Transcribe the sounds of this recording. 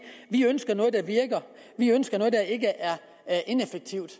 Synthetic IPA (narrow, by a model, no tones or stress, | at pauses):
ʋiønsɡ̥ɐnɔ̽ːð̞̩ˠd̥æʋiɐɡ̥ɐ | ʋiønsɡ̥ɐnɔ̽ːð̞ˠd̥æe̝ɡ̥əʔæɐ | ʔe̝nefeɡ̥̚t͡sʰiʊ̰d̥